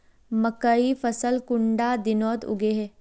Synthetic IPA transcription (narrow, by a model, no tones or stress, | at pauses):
məkəifəsəlkʊɳɖad̪ɪnɔːt̪ʊ̰ɡeːɦɛː